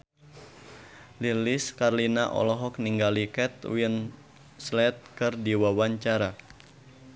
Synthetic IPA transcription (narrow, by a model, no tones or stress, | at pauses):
liliskarlinaʔɔ̰lɔɦɔk̚niŋɡalikɛt̪̚win | slɛt̪̚kɨrdiwawaɲt͡ʃaɾa